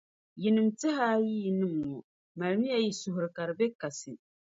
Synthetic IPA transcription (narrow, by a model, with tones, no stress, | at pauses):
ji˨nɨ˨mtɪ˦ɦa˦jiː˦˨nɨ˦mː˨ɔ˨ | ma˨ɾmi˦ja˨ji˨sʊ˨ɦʊ˨ɾɨ˨ka˨ɾɨ˨bɛ˦ka˨sɨ˨